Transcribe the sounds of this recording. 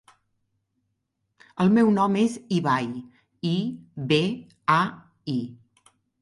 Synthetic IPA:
əlˠmɛwnɔmeziβaj | iβe | a | i

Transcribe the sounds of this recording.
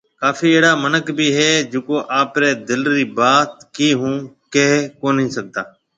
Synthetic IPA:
kaːfiːeːɽaːmənəkbʱiːɦeːd͡ʒoːkoːʔaːpɾeːd̪ɪlɾiːbaːt̪̚kiːɦũː | keɦkoːnɦĩːsək̚d̪aː

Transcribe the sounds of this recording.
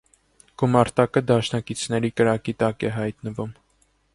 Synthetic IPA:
ɡ̥umɑɾt̪ɑkəd̪ɑʃnɑkit͡sʰnɛɾikəɾɑkit̪ɑkɛɦɑjt̪nəvum

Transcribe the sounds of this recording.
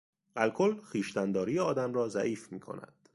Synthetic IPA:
ælkʰolxiːʃt̪ænd̪ɒːɾijeɒːd̪æmrɒːzæʔiːfmiːkʰo̰næ̰d̪̥

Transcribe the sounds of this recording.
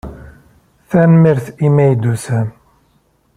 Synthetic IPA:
θænmiɾθimæjd̪usæ

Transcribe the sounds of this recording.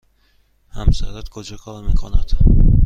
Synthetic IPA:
hamsa̰ɾat̪kʰod͡ʒakʰɒlmekʰɒnad̪̥

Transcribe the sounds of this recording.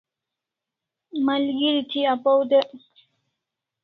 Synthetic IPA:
malɡiɾit̪ʰiapowd̪e

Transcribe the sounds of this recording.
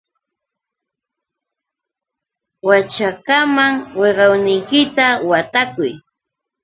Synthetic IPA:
wat͡ʃakamaŋweɢɑwnɪjkɪt̪awat̪akʊj

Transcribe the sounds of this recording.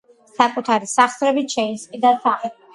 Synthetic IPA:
sakʼut̪ʰaɾisaχsɾɛbiʃɛisqʼid̪asa

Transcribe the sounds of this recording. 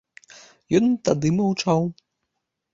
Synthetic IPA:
jɔnt̪ad̪ɨmɐwt͡ʂaw

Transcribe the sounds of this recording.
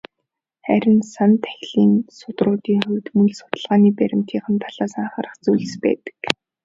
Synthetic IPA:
χæɾʲɪ̆nsant̪ʰæ̥xʲɮiːnsʊt̪rʊːt̪iːŋχɵwt̪mɵɮsʊ̥t̪ə̆ɮʁaːniːpæɾʲɪ̆m̥t̪ʰiːχə̆mt̪ʰaɮaːsaɴχarə̆χt͡sujɮ̆spæ̰ːt̪ə̥̆k

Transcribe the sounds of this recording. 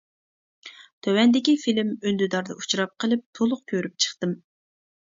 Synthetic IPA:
t̪ʰøwɛnd̪ɪkʲifilɪmønd̪yd̪ɑɾd̪ɑ̰ut͡ʃʰɾɑp̚qʰəlˠɨp̚t̪ʰolˠʊq̚kʲʰøɾyp̚t͡ʃʰə̥χt̪ɨm

